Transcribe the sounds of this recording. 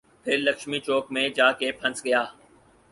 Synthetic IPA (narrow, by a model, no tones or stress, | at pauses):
pʰɪɾləkʃmit͡ʃoːkmẽd͡ʒaːkepʰɐ̃nsɡɐjaː